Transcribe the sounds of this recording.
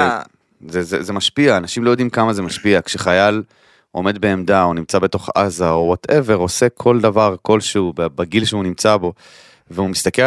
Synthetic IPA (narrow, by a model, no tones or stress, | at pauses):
zezezemaʃpiaːnaʃimlo̞jo̞d̪imkamazemaʃpiakʃeχajal | o̞me̞d̪̚be̞ːmd̪aunimt͡sabe̞t̪o̞χa̰zaowate̞ve̞ʁo̞se̞kʰo̞ld̪avaʁko̞lʃeubebaɡilʃeunimt͡sabo̞ | veumist̪ake